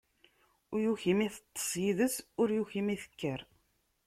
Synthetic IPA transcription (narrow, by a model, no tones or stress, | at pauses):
ʊjuçimiθə̥t̪ˤːə̥sˤjiðəsʊɾjuçimiθə̥kːəɾ